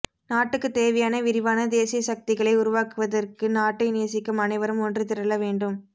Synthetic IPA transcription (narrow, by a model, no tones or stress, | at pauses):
naːʈːɯkːɯt̪eːʋɐjaːnɐʋɪɾɪʋaːnɐd̪eːsɪjɐsɐk̚t̪ɪɣɐɭɐɪʊɾʊʋaːkɯʋɐðɐrkɯnaːʈːɐɪneːɐsɪkːɯmɐnɐɪʋɐɾɯmɔndrɯt̪ɪɾɐlɐʋeːɳɖɯm